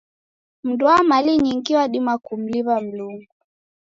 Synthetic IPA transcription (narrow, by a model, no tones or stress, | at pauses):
m̩dwamaliɲiŋɡiwaɗimakum̩liβam̩luŋɡu